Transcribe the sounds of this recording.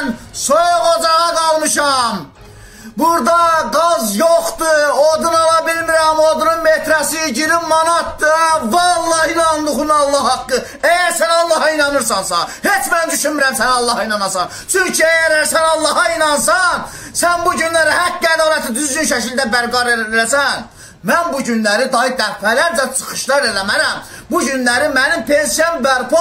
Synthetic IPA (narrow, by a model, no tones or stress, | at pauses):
nsojʁod͡ʒɑʁɑɡɑlˠmɯʃɑm | buɾd̪ɑɡɑzjoχt̪ɯod̪unɑlˠɑbilmiɾæmod̪ununmet̪ʰɾæsiɟiɾimːɑnɑt̪vɑlˠːɑhinɑnd̪uχunɑlˠːɑɑkːɯ | ejæɾsænɑlˠːɑhɑinɑnɯɾsɑnsɑ̰nhet͡ʃmænnd̪yʃynmiɾæmsænɑlˠːɑhɑinɑnɑsɑn | t͡ʃʰyɲcʰiejæɾæɾsænɑlˠːɑɦɑinɑns̬ɑn | sænbuɟynlæɾihækːæd̪ɑlæt̪ʰid̪yzɡynʃæcʰilʲd̪æbæɾɡɑɾeelæsæn | mænbuɟynlæɾid̪ɑɦid̪æɾpʰælæɾd͡ʒæt͡sʰɯ̥χɯ̥ʃlˠɑɾelæmæɾæmbuɟynlæɾimænimpʰensijɑnbæɾpo